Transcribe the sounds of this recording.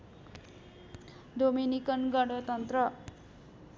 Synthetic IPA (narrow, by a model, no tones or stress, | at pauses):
d̪ominikʌnɡʌɖʌt̪ʌnt̪rʌ